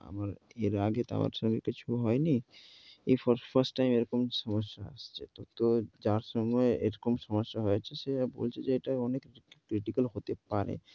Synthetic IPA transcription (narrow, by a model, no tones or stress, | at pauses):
a̰maɾeɾaɡet̪a̰ma̰ɾʃɔŋɡekit͡ɕʰuɦɔeni | efɔfʰaɾsʈːajmeɾɔkomʃɔmoʃːaa̰st͡ɕʰet̪ɔt̪od͡ʑaɾʃɔmɡɔeeɾɔkomʃɔmoʃːaɦoet͡ɕʰeʃeabo̰lt͡ɕʰed͡ʑeeʈaɔnekkɾiʈikalɦot̪epaɾḛ